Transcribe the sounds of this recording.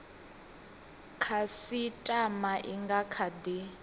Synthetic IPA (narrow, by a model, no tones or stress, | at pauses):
kʰasitʼamaʔiŋɡakʰadi